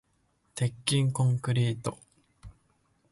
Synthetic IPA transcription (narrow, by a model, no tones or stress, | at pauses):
t̪e̞kʲːĩŋkõŋkɯ̟ɾʲiːt̪o̰